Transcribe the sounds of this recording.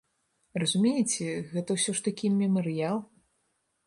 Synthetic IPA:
rɐzumʲejit͡sʲɛɣɛt̪ɐwsʲɔʂt̪akʲimʲɛmɨɾɨjalˠ

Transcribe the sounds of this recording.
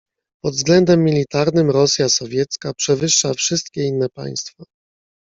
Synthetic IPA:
pɔd̪vzɡlɛnd̪ɛmːʲilʲit̪aɾnɘmɾɔsʲjasɔvʲjɛt̪skapʂɛvɘʂːafʂɘst̪kʲɛinːɛpa̰j̃st̪fa

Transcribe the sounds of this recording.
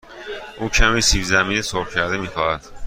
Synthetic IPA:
ʔuːcʰæmiːsiːfzæmiːnesopcʰæɾd̪emiːxɒːhæd̪̥

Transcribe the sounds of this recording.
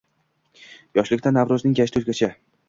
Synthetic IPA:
jɒʃlɪkʲt̪ʰanːavɾʊznɪŋjaʃt̪ɵzʲɡʲat͡ʃʰa

